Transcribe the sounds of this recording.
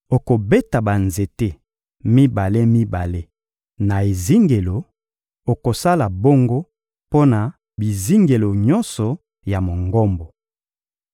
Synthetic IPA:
o˨ko˨be˦ta˨ba˨nze˨te˦ | mi˦ba˨le˦mi˦ba˨le˦ | na˨e˨zi˦ŋɡe˨lo˨ | o˨ko˨sa˦la˨bo˦ŋɡo˦ | po˦na˨ | bi˨zi˦ŋɡe˨lo˨ɲɔ˦nsɔ˨ | ja˨mo˨ŋɡo˦mbo˨

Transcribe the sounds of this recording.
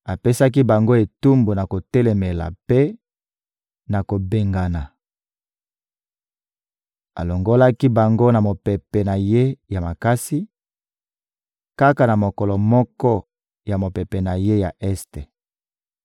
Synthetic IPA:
a˨pe˦sa˦k̬i˦ba˨ŋɡo˦e˨tu˦mbu˨na˨ko˨tɛ˦lɛ˨me˨la̰˨pe˦ | na˨ko˨be˨ŋɡa˨na˨ | a̰˨lo˨ŋɡo˦la˦ki˦ba˨ŋɡo˦na˨mo˨pe˨pɛ˨na˨je˦ja˨ma˨ka˦si˦ | ka˦ka˨na˨mo˨kɔ˨lɔ˨mɔ˦kɔ˦ | ja˨mo˨pe˨pe˨na˨je˦ja˨ʔɛ˦ste˨

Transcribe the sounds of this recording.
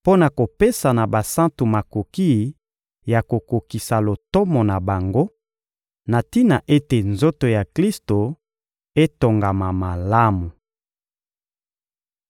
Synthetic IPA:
po˦na˨ko˨pe˦sa˨na˨ba˨sã˦ntu˨ma˨ko˨ki˦ | ja˨ko˨ko˨ki˨sa˨lo˨tɔ˦mɔ˨na˨ba˨ŋɡo˦ | na˨ti˦na˨ʔe˦te˨nzo˦to˨ja˨kli˦sto˨ | e˦to˨ŋɡa˨ma˨ma˨la˦mu˨

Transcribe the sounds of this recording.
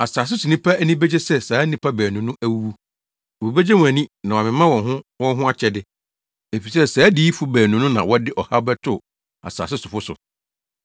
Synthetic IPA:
a˨saː˨s̬ɪ˦sʊ˨nĩ˦pʰa˦æ˦nĩ˦be˦d͡ʑe˦sɛ˦saː˨˦nĩ˦pʰa˦bæː˨nũ˨nʊ̃˦ʔæ˦wu˦wu˦ | wo˨be˦d͡ʑe˦mũ˨æ˨nĩ˦nã˨a˨mɪ̃˨˦mã˦wɔ̃˨ɦʊ̃˦wɔ̃˦ɦʊ̃˦a˦t͡ɕʰɛ˨dɪ˨ | e˨fi˨sɛ˦saː˨˦diː˦i˦fu˦bæː˨nũ˨˦nʊ̃˦nã˨wɔ˦dɪ˦ʔɔ˨ha˦bɛ˦tʰʊ˦˨ | a̰˨sa̰ː˨sɪ˦sʊ˨fʊ˦sʊ̰˨

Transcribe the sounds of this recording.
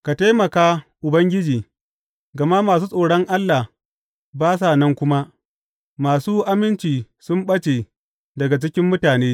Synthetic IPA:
ka˨ta˦mɐ˨kaː˦ʔʊ˨bɐ˦ŋɡʲɪ˦d͡ʒiː˨ | ɡɐ˨ma˦maː˨suː˦sʼoː˨ɽɔ˦ŋʔa˦lːa˨h | baː˦s̬a˨nɐ˦ŋkʷʊ˦ma˦ | maː˨suː˦ʔa˦mɪ˦nt͡ʃiː˨ | sʊ˦mɓɐ˦t͡ʃe˨ | dɐ˨ɡa˨t͡ʃɪ˦kʲɪ˦mːʊ˦taː˨neː˦

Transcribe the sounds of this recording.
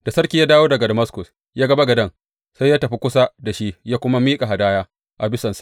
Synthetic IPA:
d̥a˨sɐ˦rkʲiː˨jaː˦daː˦woː˦dɐ˨ɡa˨dɐ˨mɐ˦skʊ˨s | jaː˦ɡɐ˦ba˦ɡɐ˨dɐ˦ŋ | sa˦jaː˦tɐ˨ɸi˦kʷʊ˦sa˦da˨ʃi˦jaː˦kʷʊ˦ma˦miː˦kʼa˨ɦa˨daː˦jaː˦ | ʔa˨bɪ˦sɐ˨nsḁ˨ʔ

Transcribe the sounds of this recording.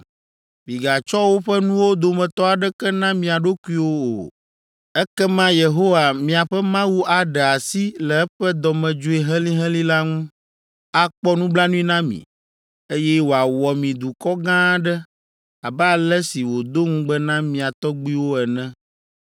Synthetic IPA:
mĩ˨ɡa˨t͡ʃɔ˦wo˦ɸɛ˦nũ˦wo˦d̪o˨mɛ̃˨t̪ɔ˦a˨ɖɛ˦kɛ˦nã˦mĩ˨a˨ɖo˦ku˦i˦wo˦o̰˨ | ɛ˦kɛ˦mã˦je˨ɦo˦wa˨mĩ˨a˨ɸɛ˦mã˦wu˦ʔa˨ɖɛ˨a˨si˦lɛ˨ɛ˦ɸɛ˦d̪ɔ˨mɛ̃˨d͡ʒo˦i˦ɦɛ̃˦lĩ˦ɦɛ̃˦li˦la˦ŋũ˦ | a˨k͡pɔ˦nũ˦bla˦nũ˦ĩ˦nã˦mḭ̃˨ | e˦jɛ˦wo˨a˨wɔ˨mĩ˨d̪u˨kɔ˦ɡã˦ɖɛ˦ | a˨bɛ˦a˨lɛ˦si˨wo˨d̪o˦ŋũ˦ɡ͡bɛ˦nã˦mĩ˨a˨t̪ɔ˦ɡ͡bi˦wo˦ɛ˨nɛ̃˦

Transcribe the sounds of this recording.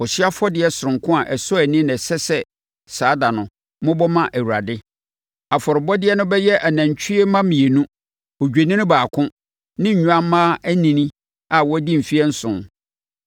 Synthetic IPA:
ɔ˨si˦a˦fɔ˦dɪ˨˦ɛ˦sʊ˨ɾʊ̃˨ŋkʰʊ̃˦a˨ʔɛ˨sɔ˦æ˨nɪ̃˦nɛ˨sɛ˦sɛ˦ | saː˨˦da˨nʊ̃˨ | mʊ̃˦bɔ˦mã˦ʔæ˨wu˨ɾa˨dɪ˦ | a˨fɔ˨ɾɪ˨bɔ˦dɪ˦ɛ˦nʊ̃˦bɛ˦jɛ˦ʔa˨næ̃˨ɲ˨t͡ɕʰᶣi˦ɛ˦mã˦mĩ˨e˨nũ˦ | o˨d͡ʑᶣe˨nĩ˦nʊ̃˦baː˨kʰʊ̃˦ | nɪ̃˦ɲ̩˨ɲ̃ᶣ˦ã˦m˦mãː˦æ˦nĩ˨nĩ˦ | a˨wɔ˦di˦m̩˨fi˦ɛ˦n̩˦sʊ̰̃˨n

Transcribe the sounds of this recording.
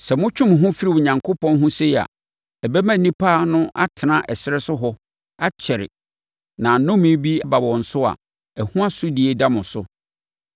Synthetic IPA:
sɛ˨mʊ̃˦t͡ɕᶣʰʊ̃˦m˨ɦʊ̃˦fi˦ɾi˨wʊ˨ɲã˨ŋkʰo˦pʰɔ̃˦nɦʊ̃˦se˦˨a̰˨ | ɛ˨bɛ˦mã˦nĩ˦pʰa˦nʊ̃˦ʔa̰˦tʰɪ˨nã˦ʔɛ˨sɪ˦ɾɛ˦sʊ˦ɦɔ˦ | a˦t͡ɕʰɛ˨ɾɪ̰˨ | nã˨nʊ̃˦mĩ˦bi˦a˦ba˨wɔ̃˨n̩˨sʊ˦a̰˨ | ɛ˨hũ˦a˦sʊ˦di˨e˨da˦mʊ̃˨sʊ˦

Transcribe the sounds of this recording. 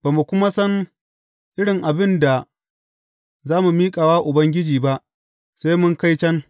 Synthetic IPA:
b̥aː˨mu˨kʷʊ˦ma˦sɐ˦n | ʔɪ˦ɽɪ˨ŋʔa˨bɪ˦nda˨ | zaː˦mu˨miː˦kʼaː˨waː˦ʔʊ˨bɐ˦ŋɡʲɪ˦d͡ʒiː˨ba˦ʔ | seː˦mʊ˦ŋka˦jt͡ʃɐ˦ŋ

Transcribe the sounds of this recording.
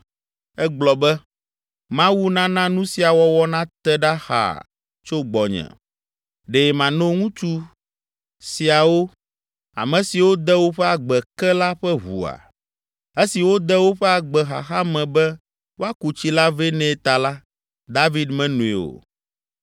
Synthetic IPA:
ɛ˦ɡ͡blɔ˨bɛ˦ | mã˦wu˦nã˦nã˦nũ˦si˨a˨wɔ˦wɔ˦nã˦t̪ɛ˦ɖa˦xa̰˨ | t͡ʃo˦ɡ͡bɔ˨ɲɛ̰̃˨ | ɖe˨jɛ˨mã˨nõ˦ŋũ˦t͡ʃu˦ | si˨a˨wo˦ | a̰˨mɛ̃˨si˨wo˦d̪ɛ˦wo˦ɸɛ˦a˨ɡ͡bɛ˨kɛ˦la˦ɸɛ˦ɦṵ˨a̰˨ | e˦si˨wo˦d̪ɛ˦wo˦ɸɛ˦a˨ɡ͡bɛ˨xa̰˨xa˦mɛ̃˨bɛ˦ | wo˦a˦ku˨t͡ɕi˦la˦vɛ˦nɛ̃˦t̪a˨la˦ | d̪a˦vi˦d̪mɛ̃˦nũ˨ḭ˨o̰˨

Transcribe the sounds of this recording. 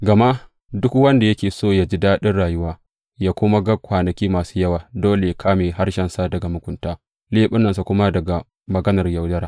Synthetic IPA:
ɡɐ˨ma˦ | dʊ˦kwɐ˦nda˨jɐ˦kʲeː˨soː˦jaː˦d͡ʒi˦daː˦ɗɪ˦nɽaː˨jʊ˦waː˦ | jaː˦kʷʊ˦ma˦ɡɐ˦kʷaː˨nɐ˨kʲiː˦maː˨su̥ː˦jɐ˦waː˨doː˦le˨jkʰaː˦meː˨ha˦rʃɛ˨nsa˦dɐ˨ɡa˨mʊ˨kʷʊ˨ntaː˦ | leː˦ɓɪ˦nːɐ˨nsa˨kʷʊ˦ma˦dɐ˨ɡa˨ | mɐ˨ɡɐ˦nɐ˨rjɐ˨wdɐ˦ɾa˦

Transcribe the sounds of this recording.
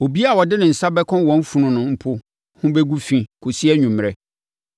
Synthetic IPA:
o˨bi˦a˨wɔ˨dɪ˦nɪ̃˨n̩˨sa˦bɛ˦kʰɔ̃˦wɔ̃˦m˦fu˨nʊ̃˨nʊ̃˨m̩˦pʰʊ˦ | hʊ̃˦bɛ˦ɡu˦fĩ˨kʰʊ˨si˦ɛ˦ɲũ˨m˨ɾɛ˦

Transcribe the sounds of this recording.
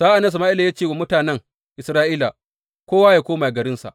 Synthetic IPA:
saː˦ʔa˨nɐ˦s̬ɐ˨maː˦ʔi˦la˨ja˦t͡ʃeː˦˨wa˨mʊ˦taː˨nɛ˦ŋ | ʔɪ˨sɾaː˦ʔiː˦la˨ | kʷoː˦waː˦jaː˨kʷoː˦maː˨ɡɐ˨ɾɪ˦nsa̰˨ʔ

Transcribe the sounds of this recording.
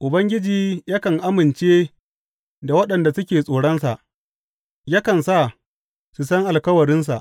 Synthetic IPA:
ʔʊ˨bɐ˦ŋɡʲɪ˦d͡ʒiː˨ja˦kɐ˨ŋʔa˦mɪ˨nt͡ʃeː˦ | da˨wɐ˦ɗɐ˨nda˨sʊ˦kʲeː˨sʼoː˨ɽɐ˦nsa˨ʔ | ja˦kɐ˨nsa˦˨ | su˨sɐ˦ŋʔa˨lkɐ˦wɐ˨ɽɪ˦ns̬a̰˨ʔ

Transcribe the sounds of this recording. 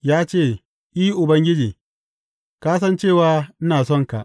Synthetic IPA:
jaː˦t͡ʃeː˦˨ | ʔiː˦ʔʊ˨bɐ˦ŋɡʲɪ˦d͡ʒiː˨ | kaː˦s̬ɐ˦nt͡ʃeː˦˨waː˨˦n̩˦naː˨sɔ˦ŋka̰˨ʔ

